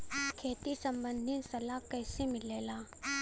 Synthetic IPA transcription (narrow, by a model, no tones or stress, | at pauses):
kʰeːt̪isɐ̃mbə̃nd̪ʱɪnsɐlakɛːsemɪlːeːlaː